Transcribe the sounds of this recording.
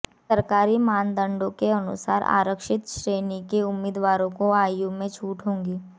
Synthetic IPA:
səɾkaːɾimaːnd̪ə̃ɳɖõkeɐnʊ̰sa̰ːɾa̰ːɾəkʃɪt̪ʃɾeːnikeʊmːɪːd̪ʋaːɾõkoaːjumẽt͡ʃʰuːʈɦõːŋɡiː

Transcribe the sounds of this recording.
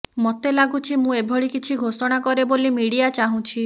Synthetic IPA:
mɔt̪elaɡut͡ʃʰimũebʱɔɭikit͡ʃʰiɡʱosɔɽ̃akɔɾebolimiɽijat͡ʃaɦũt͡ʃʰi

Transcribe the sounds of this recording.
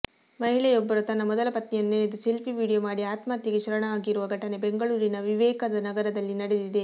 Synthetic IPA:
mɐɦiɭɛjɔbːɐɾut̪ɐnːɐmɔd̪ɐlɐpɐt̪nijɐnːeid̪uselpiʋiːɽijomaːɽiaːt̪maːt̪iɡeʃɐɾɐɳɐaːɡiɾuʋɐɡʱɐʈɐne̞beŋɡɐɭuːɾinɐʋiʋɛːkɐd̪ɐnɐɡɐɾɐd̪ɐlːinɐɽe̞d̪id̪e̞

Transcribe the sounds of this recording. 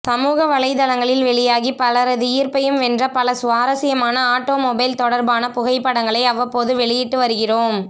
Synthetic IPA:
sɐmuːɣɐʋɐɭɐɪðɐlɐŋɡɐɭɪlʋɛɭɪjaːɣipɐlɐɾɐðɯiːɾpɐjɯmɛndrɐpɐlɐsʊʋaːɾɐsɪjɐmaːnɐaːʈːoːmɔbɐɪlt̪ɔɽɐɾbaːnɐpʊɣɐɪpːɐɽɐŋɡɐɭɐɪɐʋɐpːoːðɯʋɛɭɪjɪʈːɯʋɐɾɯɣɪroːm

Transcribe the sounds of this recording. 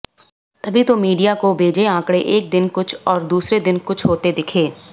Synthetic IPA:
t̪ɐbʱit̪omiːɖijakobʱeːd͡ʒeãːkɽeʔeːk̚d̪ɪnkʊt͡ʃʰɔːɾd̪uːsɾed̪ɪnkʊt͡ʃʰɦoːt̪ed̪ɪkʰeː

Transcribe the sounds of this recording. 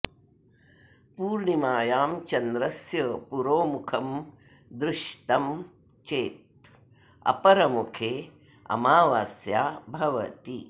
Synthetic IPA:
puːɾɳimaːjaːmt͡ʃɐnd̪ɾɐsjɐpuɾoːmukʰɐm | d̪ɾuʃt̪ɐm | t͡ʃeːt̪̚ | ɐ̰pɐɾɐmukʰeː | ɐ̰maːʋaːsjaːbʱɐʋɐ̰t̪ḭ

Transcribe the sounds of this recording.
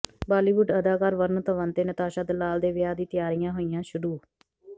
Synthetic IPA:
baːliːʋʊɖəd̪aːkaːɾʋəɾnt̪əʋənt̪eːnət̪aːʃaːd̪əlːaːld̪eːʋɪjaːd̪iːt̪ɪjaːɾɪjãːɦoːijãːʃʊɾuː

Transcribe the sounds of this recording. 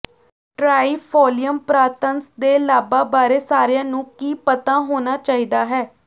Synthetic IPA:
ʈɾaːiːpʰɔːlijəmpɾaːt̪ənsd̪eːlaːbaːbaːɾeːsaːɾɪjãːnũːkiːpət̪ãːɦoːnaːt͡ʃaːiːd̪aːɦɛː

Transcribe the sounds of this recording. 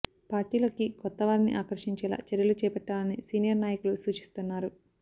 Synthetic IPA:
paːɾʈiːlo̞ːkikɔt̪ːɐʋaːɾinḭʔaːkɐɾʂiɲt͡ʃɛːla̰ːt͡ʃɛɾjɐlut͡ʃɛːpɛʈːaːlɐnisiːnijɐɾnaːjɐkulusuːt͡ʃi̥st̪unːaːɾu

